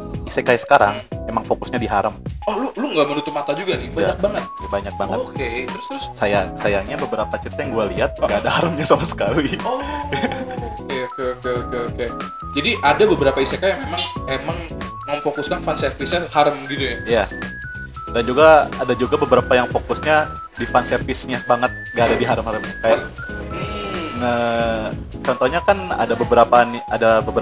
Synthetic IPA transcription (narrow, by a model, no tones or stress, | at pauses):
isekajasə̥kaɾa̰ŋmemaŋfokʊsɲadiɦaɾəmɔhluluŋɡamənut̪ʊpmat̪ad͡ʒuɡanɪbajɲak̚baŋət̪̚jabaɲak̚baŋə̰t̪ket̪əɾʊst̪əɾʊssajasajaŋɲabəbəɾapat͡ʃit̪ajaŋɡualiɦat̪̚ɡadahaɾəmɲasamasə̥kali | okeokeokeokeoke | d͡ʒadiʔadabəbəɾapaisekajaŋmemaŋemaŋ | məmfokʊskanfansɛrfɪsahaɾəmɡit̪ujaija | dand͡ʒuɡaadad͡ʒuɡabəbəɾapajaŋfokʊsɲa | difansɛrfɪsɲabaŋət̪̚ŋɡaːdadiɦaɾəmhaɾəmɲakaja | ŋə | t͡ʃɔnt̪ɔhɲakana̰dabəbəɾapaniadabəbəɾ